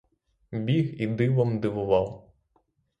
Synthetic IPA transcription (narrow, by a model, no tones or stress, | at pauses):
bʲiɣid̪ɪʋɔmd̪ɪʋʊʋɑw